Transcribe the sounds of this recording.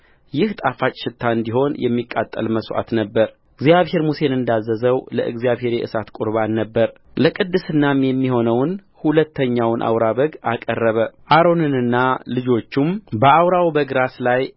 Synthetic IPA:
jɪht̪ʼafat͡ʃʼʃɪt̪ʰːaɨnd̪iho̞njɛ̰mːikʼːat̪ʼːə̰lməsʔa̰t̪nəbːəɾ | ɡzijaβhe̞ɾmuse̞nɨnd̪azːəzəwlə̰ʔɨ̰ɡzjaβhe̞ɾjɛʔɨsat̪kʼʊɾβanːəbːəɾ | ləkʼɨd̪ːɨsɨnːamjɛmːiho̞nəwn | hulət̪ʰːəɲːawnʔa̰wɾaβəɡakʼərːəβəʔaɾo̞nɨnɨnːalɨd͡ʒo̞t͡ʃːumbəawɾawbəɡɾaslaj

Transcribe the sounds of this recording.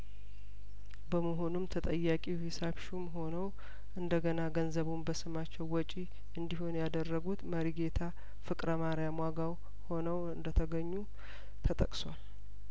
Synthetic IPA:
bəməɦo̞numt̪ʰət̪ʼəjːakʼihisabʃumɦo̞nəw | ʔɨnd̪əɡənaɡənzəβumbəsɨmat͡ʃːɛwwɔt͡ʃʼi | ɨnd̪iɦonjad̪ərːəɡut̪məɾiɡe̞t̪ʰa | fɨkʼɾəmaɾjamwaɡaw | ho̞nəwɨnd̪ət̪ʰəɡəɲːu | t̪ʰət̪ʼə̰kʼswal

